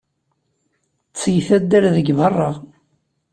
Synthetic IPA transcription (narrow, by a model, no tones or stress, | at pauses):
t͡sːjθæd̪ːæɾðəɡvɑrˤːɑʁ